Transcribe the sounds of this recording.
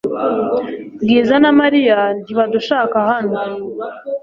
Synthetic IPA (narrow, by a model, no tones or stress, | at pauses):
ɡiːzanamaɾijandiβaduʃaːkahan̥hu